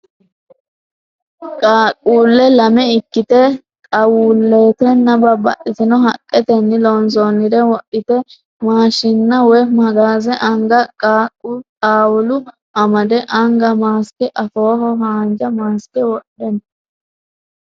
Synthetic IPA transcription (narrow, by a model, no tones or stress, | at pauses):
kʼaːkʼːuːlːɛlɐmɛɪkːɪt̪ɛ | t̪ʼɐwuːlːe̞ːt̪ɛnːɐbɐbɐ̰ʔɪt̪ɪnɔɦɐkʼːɛt̪ɛnːɪlɔnsonːɪd̪ɛwɔɗːɪt̪ɛ | maːʃɪnːɐwɛmɐɡaːzɛʔɐŋɡɐkʼatʼaːwʊlʊ | ʔɐmɐd̪ɛʔɐŋɡɐmaːskɛʔɐfoːɦɔɦaːnd͡ʒɐmaːskɛwɔɗːɛn